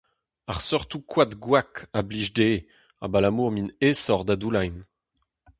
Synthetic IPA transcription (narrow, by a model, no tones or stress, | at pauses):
aʁsɔʁt̪ukwat̪ɡwakabliʒdeː | a̰balamuːʁminesɔʁd̪ad̪ulajn